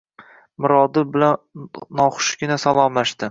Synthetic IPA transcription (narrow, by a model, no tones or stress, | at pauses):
mɪɾɒd̪ɪbɪlannːɒχʊ̥ʃɡʲɪnasalˠɒmlaʃt̪ɪ